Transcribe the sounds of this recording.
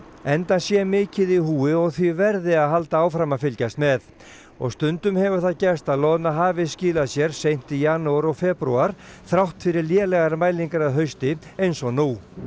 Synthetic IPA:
ɛnt̪ansjɛmɪːcɪðihuːɪɔɣθvivɛɾðɪaðɦal̪t̪aaːwfɾamafɪlcast̪mɛθ | ɔ̰ɣst̪ʏnt̪ʏmhɛvʏɾ̥θaðcɛ̥st̪aðlɔðnaɦaːvɪsciːlaðsjɛɾ̥sejn̥t̪ijaːnowɾɔɣfɛːpɾuaɾ̥θɾawht̪fɪɾɪɾljɛːlɛɣaɾmaːjliŋkaɾaðɦœɥst̪ɪejnsɔnuː

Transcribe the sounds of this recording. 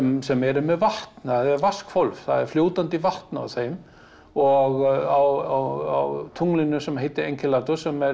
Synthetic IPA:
ɛmsɛmɛɾʏmɛðvaht̪nθaðɛɾvaskfolvθa̰ðɛɾ̥fljoːwt̪ant̪ivaht̪naa̰wθejm | ɔɣawawa̰wt̪ʰuŋlɪnʏsɛmɦejt̪ɪɾejɲcʰɪlat̪ʏsɛmɛɾ

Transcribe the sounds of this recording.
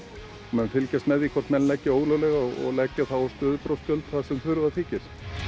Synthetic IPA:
mɛnfɪlcɛst̪mɛðikʰvɔɾ̥t̪mɛnlɛcːɪoːwɣlœwlɛɣaɔɣɔ̰ɣlɛcːaθawɔst̪ʏːðʏpɾowst̪œlt̪θaðsɛmθʏɾʏvaθʰiːcɪɾ̥

